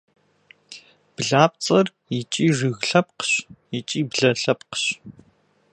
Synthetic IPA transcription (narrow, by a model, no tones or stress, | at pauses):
b̥ɮaːp̚ʼt͡sʼɐr | it͡ʃʼiːrɨɣɬɐp̚qə̥ɕit͡ʃʼiːbɮɐɬɐpqɕ